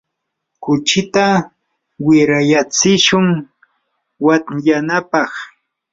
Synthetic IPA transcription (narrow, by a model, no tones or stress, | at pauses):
kʊt͡ʃɪt̪a | wɪɾajat͡sɪʃʊŋ | watjanapɑχ